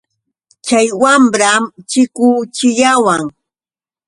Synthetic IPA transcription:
t͡ʃajwamɾamt͡ʃɪkʊːt͡ʃɪʎawaŋ

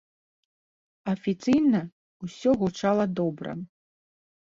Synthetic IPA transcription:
ɐfʲit̪sɨjnɐ | usʲɔɣut͡ʂalˠɐd̪ɔbɾɐ̰

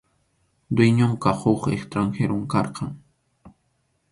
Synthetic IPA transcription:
d̪wɪjɲʊɴqɑhoχekst̪ɾaŋxeɾomkɑɾqʰɑŋ

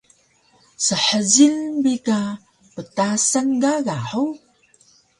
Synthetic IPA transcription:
səħəzinbika | pətasəŋɡaɣaħu

